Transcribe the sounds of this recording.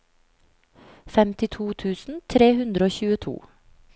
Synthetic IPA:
fɛmt̪ɪt̪ʰuːt̪ʰʉːsn̩t̪ʰɾeːhʉnd̪ɾəoːçʉːət̪ʰṵː

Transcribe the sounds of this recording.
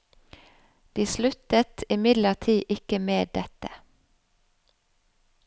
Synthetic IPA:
d̪̥iːslʉt̪ət̪ɪmɪd̪ləʁt̪ʰiːʔɪkəmeːd̪ɛt̪ə

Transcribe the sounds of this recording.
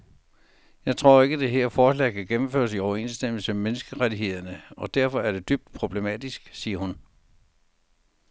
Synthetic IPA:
jɑ̈ɪt͡sʰʁo̝ɐ̰e̝ɡ̥əd̥e̝ɦeɐ̰fɒːslɛ̰ːɪkʰæɡ̥emm̩fø̰ːɐsiɒʊɐe̝̰nsd̥em̰l̩səmemenəsɡ̥əʁad̥iɦe̝ð̞̰ˠɐnəɒ̽d̥æɐ̰fɒ̽æɐɾ̥e̝d̥yb̥̚d̥̚pʰʁo̝b̥le̝mɛ̰d̥isɡ̥siːɐhun

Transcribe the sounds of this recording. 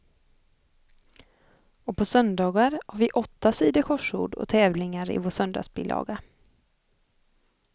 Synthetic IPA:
ɔpʰɔsœnd̪ɑːɡaɾhaɾvɪʔɔt̪ːasiːd̪əkʰɔʂṵːɖɔ̰t̪ʰɛːvlɪŋaɾɪ̰voːʂœnd̪ɑ̰ːsbɪ̰lʔɑ̰ːɡa

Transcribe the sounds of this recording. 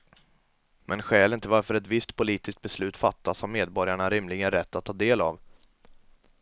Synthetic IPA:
mʔɛnɧɛːlɪnt̪əvaɾfœɾɛt̪vɪst̪pʰʊliːt̪ɪsk̚t̪̚bɛslʉ̟ːt̪fat̪ːashameːd̪bɔɾjaɳaɾɪmlɪɡənɾɛt̪ʰːat̪ʰːɑːd̪eːla̰v

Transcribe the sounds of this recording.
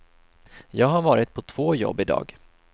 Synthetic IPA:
jɑːɡɦaɾvɑːɾɪt̪̚pʰɔt̪ʰv̥oːjɔ̰bːɪd̪ɑ̰ːɡ

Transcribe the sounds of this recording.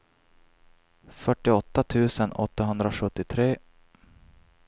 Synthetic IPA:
fœʈːɪɔt̪ːat̪ʰʉ̟ːsənɔt̪ːaɦɵnd̪ɾaɧɵt̪ːɪt̪ʰɾeː

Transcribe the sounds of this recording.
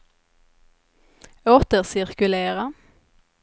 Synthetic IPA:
oːt̪əʁsɪʁkʉleːʁə

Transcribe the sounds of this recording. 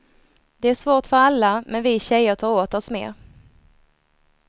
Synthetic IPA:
d̪̥ɛæʂvoːʈfœɾalːamɛnvɪɕɛjːəʈʰɑːɾoːt̪ɔsmḛːɾ

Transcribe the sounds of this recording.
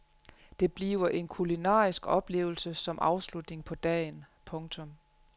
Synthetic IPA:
d̥e̝b̥lḭːʊɐʔe̝nkʰulinɑ̰̈ːisɡ̥ɒ̽b̥le̝̰ːʊl̩səsɒ̽mʔɑ̈ʊslud̥ne̝ŋpʰɒ̽d̥ɛ̰ːn | pʰɔ̽ŋt͡sʰɔ̽m

